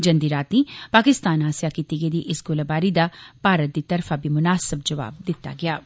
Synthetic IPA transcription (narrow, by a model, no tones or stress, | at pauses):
d͡ʒə̃nd̪iːɾaːt̪nĩːpaːkɪst̪aːnɦaːsɪjaːkiːt̪iːɡəiːd̪iːʔɪsɡolabaːɾiːd̪aːpaːɾət̪̚d̪iːt̪əɾfʰaːbiːmʊnaːsəbd͡ʒɐʋa̰ːb̚d̪ɪt̪ːa̰ːɡɪaː